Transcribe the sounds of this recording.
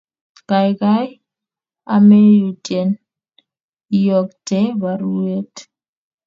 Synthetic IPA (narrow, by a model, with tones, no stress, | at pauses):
ka˨jka˦j | a˦me˦ju˨tʼɛ˨n | i˦jɔ˨k̚tɛ˦ba˨ɾu˦e˦t